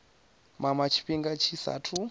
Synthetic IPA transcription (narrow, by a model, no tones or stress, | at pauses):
mamat͡ʃʰi̥ɸiŋɡat͡ʃʰisa̰tʰu